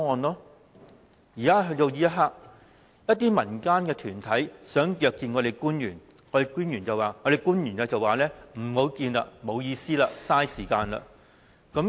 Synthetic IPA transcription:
ŋɔː˨˧nlɔː˥ | jiː˨kaː˥ɦɵ˧t̪o˧wjiː˧˥jɐ˥t̚ɦaː˧˥k̚ | jɐ˥t̪̚iː˥mɐ˨˩nkaː˥nkɛː˧t̪ʰyː˨˩nt̪ʰɐ˨˥jsœː˨˥ŋjœː˨˧kːiː˧nŋɔː˨˧ɾe˨jkuː˥njyː˨˩n | ŋɔː˨˧de˨˩jkuː˥njyː˨˩nt͡sɐ˨˩waː˨˩ŋɔː˨˧ɾe˨˩jkuː˥njyː˨˩na˧t͡sɐ˨waː˨˩lɛː˥m̩˨˩ho˨˥wkiː˧na̰˧mo˨˧wjiː˧siː˥laː˧saː˥jsiː˨˩kaː˧nla̰ː˧ | kɐ˨˥m

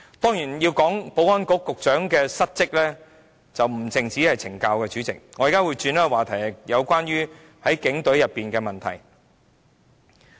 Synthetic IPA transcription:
t̪ɔː˥ŋjiː˨˩njiː˧wkɔː˨˥ŋpo˨˥wɐ˥nkɔː˨˥kʊ˨k̚t͡ʃœː˨˥ŋkɛː˧sɐ˥t̚t͡sɪ˥k̚lɛː˥ | t͡sɐ˨wm̩˨˩t͡sɪ˨˩ŋt͡si˨˥hɐ˨jt͡sʰɪ˨˩ŋkaː˧wkɛː˧t͡ʃyː˨˥t͡sɪ̰˨k̚ŋɔ˨˧jiː˨˩kaː˥wuː˨˧jt͡ʃyː˧naː˥˧waː˨t̪ʰɐ˨˩jjɐ˨˧wkʷaː˥nɥyː˥ | hɐ˨˥jkɪ˨˥ŋt̪ɵ˨˥ɥjɐ˨pːiː˨nkɛː˧mɐ˨nt̪ʰɐ̰˨˩j

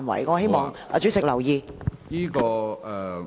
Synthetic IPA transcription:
nwɐ̰˨˩jkɔː˧he˥jmɔː˨˩ŋa̰˧t͡ʃy˨˥sɪ˨k̚lɐ˨˩wjiː˧jiː˥kɔː˧ɛ˨

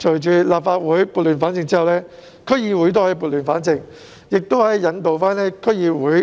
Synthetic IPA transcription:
t͡ʃʰɵ˨˩jt͡ʃyː˨laː˨p̚faː˧t̚wuː˨˥jpuː˨t̚lyː˨˩nfaː˨˥nt͡sɪ˨˧ŋt͡siː˥hɐ˨wlɛː˥ | kʰɵ˥jiː˧wuː˨˥jt̪oː˥hɐ˨˧jpuː˨˧t̚lyː˨˩nfaː˨˥nt͡sɪ˨˧ŋ | jɪ˨k̚t̪o˥whɐ˨˥jːɐ˨˥nt̪o˨wfaː˥nɛː˥kʰɵ˥jiː˧wuː˨˥j

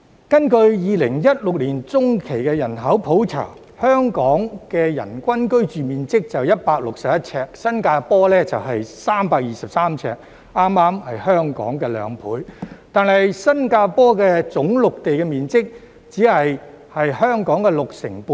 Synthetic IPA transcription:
kɐ˥nkɵ˧ɥjiː˨˧lɪ˨˩ŋjɐ˥t̚lʊ˨k̚liː˨˩nt͡sʊ˥ŋkʰe˨˩jkɛ˧jɐ˨˩nɦɐ˨˥wpʰo˨˥wt͡sʰa̰ː˨˩ŋ | hœː˥ŋkɔː˨˥ŋkɛː˧jɐ̰˨˩nkʷɐ˥nkɵ˥ɥt͡ʃyː˨miː˨nt͡sɪ˥k̚t͡sɐ˨wjɐ˥t̚paː˧k̚lʊ˨k̚sɐ˨p̚jɐ˥t̚t͡sʰɛː˧k̚sɐ˥nkaː˧pɔː˥lɛː˥t͡sɐ˨wɦɐ˨jsaː˥mpaː˧k̚jiː˨sɐ˨p̚saː˥mt͡sʰɛ̰ː˧˥k̚ | aː˥mːaː˥mhɐ˨jhœː˥ŋkɔ̰ː˨˥ŋkɛː˧lœ̰ː˨˧ŋpʰṵː˨˥jt̪aː˨nɐ˨jsɐ˥nkaː˧pɔː˥kɛ˧t͡sʊ˨˥ŋlʊ˨k̚t̪e˨jkɛ˧miː˨nt͡sɪ˥k̚ | t͡siː˨˥hɐ˨j | hɐ˨jhœː˥ŋkɔː˨˥ŋkɛː˧lʊ˨k̚sɪ˨˩ŋpuː˨˩

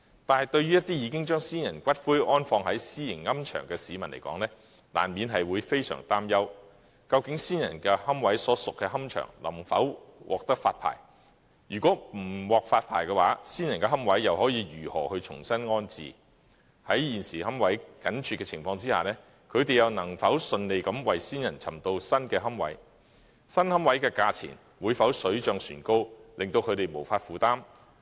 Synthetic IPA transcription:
t̪aː˨nhɐ˨jt̪ɵ˧ɥyː˥jɐ˥t̪iː˥jiː˨˧kɪ˥ŋt͡ʃœː˥ŋsiː˥njɐ˨˩nkʷɐ˥t̚fuː˥jʔɔː˥nfɔː˧ŋhɐ˨˥jsiː˥jɪ˨˩ŋŋɐ˥mt͡ʃʰœ̰ː˨˩ŋkɛː˧siː˨˥mɐ˨˩nle˨˩jkɔ̰ː˨˥ŋnlɛː˥ | la̰ː˨˩nmiː˨˧nɦɐ˨jwuː˨˧jfe˥jsœ̰ː˨˩ŋt̪aː˥mjɐ˥w | kɐ˧wkɪ˨˥ŋsiː˥njɐ̰˨˩nkɛː˧hɐ˥mwɐ˨˥jsɔː˨˥sʊ˨kːɛː˧hɐ˥mt͡ʃʰœ̰ː˨˩ŋlɐ̰˨˩mfɐ̰˨˥wwʔɔ̰ː˨k̚t̪ɐ˥k̚faː˧t̚pʰa̰ː˨˩j | ɥyː˨˩kʷɔː˨˥m̩˨˩wɔː˨˩k̚faː˧t̚pʰa̰ː˨˩jkɛː˧wa̰ː˨˥siː˥njɐ˨˩nkɛː˧ɦɐ˥mwɐ˨˥jːɐ˨whɔː˨˥jiː˨˧jyː˨˩hɔ̰ː˨˩hɵ˧ɥt͡sʰʊ̰˨˩ŋsɐ˥nŋɔː˥nt͡sḭː˨˩ | hɐ˨˥jjiː˨˩nsiː˨˩hɐ˥mwɐ˨˥jkɐ˨˥nt͡ʃʰy˨kːɛː˧t͡sʰɪ̰˨˩ŋfɔː˧ŋt͡siː˥ha̰ː˨˩nɛː˥ | kʰɵ˨˧t̪e˨jɐ˨˧wnɐ˨˩ŋfɐ˨˥wsɵ˧nle˨jkɐ˨˧˥mwɐ˨jsiː˥njɐ˨˩nt͡sʰɐ̰˨˩mt̪o˧wsɐ˥nkɛː˧ɦɐ˥mwɐ̰˨˥j | sɐ˥nhɐ˥mwɐ˨˥jkɛː˧kaː˧t͡sʰḭː˨˩n | wuː˨˧jfɐ˨˥wsɵ˨˥ɥt͡ʃœː˧ŋsyː˨˩nko˥wlɪ˨ŋt̪o˧wkʰɵ˨˧ɥt̪e˨˩jmo˨˩wfaː˧tfuː˨˩t̪aː˥m

